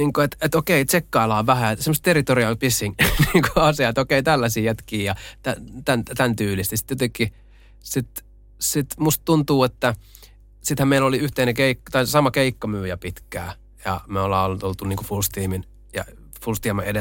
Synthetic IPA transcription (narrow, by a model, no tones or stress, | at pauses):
niːŋkoet̪et̪okeˑit͡ʃekːɑilɑːʋæhæet̪semost̪erˑit̪oriɑlpisːiŋniːŋkoɑsiɑet̪okeit̪ælːæsiːjæt̪kiːjɑt̪æt̪ænt̪ænt̪yːlist̪nisi̥t̪jot̪ekˑi | sit̪ | sit̪must̪t̪unt̪uːet̪ːæ | sit̪hæmmeiloliyht̪einekeikːt̪ɑisɑmɑkeikːɑmyːjæpit̪kæ̰ː | jɑ̰meolːɑ̰ːolːut̪olt̪uniːŋkofulst̪iːmin | jɑ̰ | fulst̪iɑmɑede